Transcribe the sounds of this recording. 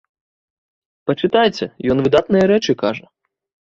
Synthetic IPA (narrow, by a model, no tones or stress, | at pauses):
pɐt͡ʂɨt̪ajt͡sʲɛjɔnvɨd̪at̪nɨjɐɾɛt͡ʂɨkaʐɐ